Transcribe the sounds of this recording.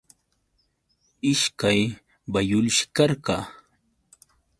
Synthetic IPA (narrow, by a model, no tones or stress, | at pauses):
ɪʃkaj | bajʊlʃɪ̥kɑɾɢɑː